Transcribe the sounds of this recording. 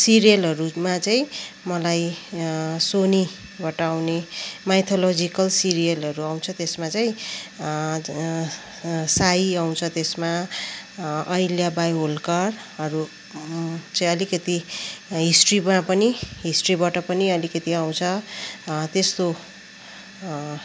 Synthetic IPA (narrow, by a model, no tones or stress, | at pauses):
siɾijʌlɦʌɾumat͡saĩmʌlaj | soni | bʌʈʌawnemajt̪ʰolod͡zikʌlsiɾijʌlɦʌɾuaw̃t͡sʰʌt̪esmat͡saĩ | saiaw̃t͡sʰʌt̪esma | ʌjljabajɦolkʌr | ɦʌɾu | t͡saĩʌlikʌt̪iɦisʈribapʌniɦisʈribaʈʌpʌniʌlikʌt̪iaw̃t͡sʰʌ | t̪est̪o